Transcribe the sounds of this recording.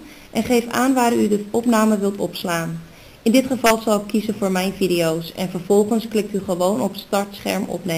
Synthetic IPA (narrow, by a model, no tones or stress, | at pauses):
ʔɛnχejfa̰ːnʋaːrydəɔpnaːməʋɪlˠtɔpslaːn | ɪndɪtχəvɑlˠzɑlˠɪkʰːizənvoːɹmɛjnvidejowsɛ̰nvəɹvɔlˠχənsklɪk̚tyχəʋownɔpstɑɹtsχɛ̰ɹmɔ̰pne